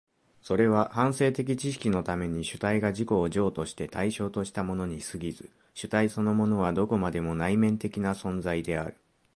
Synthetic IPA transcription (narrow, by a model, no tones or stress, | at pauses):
so̞ɾe̞β̞ahãɰ̃se̞ːt̪e̞k̬ʲit͡ɕiɕ̬i̥kʲino̞t̪ame̞ɲ̟iɕɨ̥t̪aiɡaʑiko̞ːʑo̞ːt̪o̞ɕi̥t̪e̞t̪aiɕo̞ːt̪o̞ɕi̥t̪amo̞no̞ɲ̟isɨɡʲizɨ | ɕɨt̪aiso̞no̞mo̞no̞β̞ad̪o̞ko̞mad̪e̞mo̞naimẽ̞nt̪e̞kʲinasõ̞nd͡zaid̪e̞aɾɯ̟̥